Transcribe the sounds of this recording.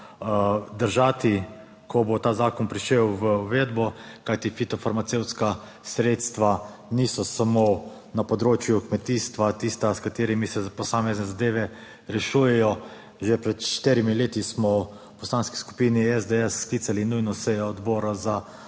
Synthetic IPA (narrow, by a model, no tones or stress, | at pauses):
d̪əɾʒaːt̪i | kʰɔbot̪aːzaːkɔnpɾiʃewʋəuʋed̪bɔkajt̪ifit̪ɔfaɾmat̪sewt̪ska | sɾeːt̪st̪ʋanisɔsamo | napɔd̪ɾoːt͡ʃjukmɛt̪iːst̪ʋat̪iːst̪askat̪eːɾimisɛpɔsaːmɛznɛzad̪eːʋɛ | ɾɛʃujɛjɔ | ʒepɾɛt̪ʃʃt̪eɾimileːt̪ismɔ | pɔslaːnski̥sku̥piːniɛzd̪ɛɛsːklit̪salinujnɔsɛjɔːd̪bɔːɾaza